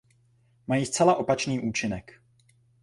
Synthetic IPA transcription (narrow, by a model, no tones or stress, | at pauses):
majiːst͡sɛlaʔo̞pat͡ʃniːʔuːt͡ʃɪnɛk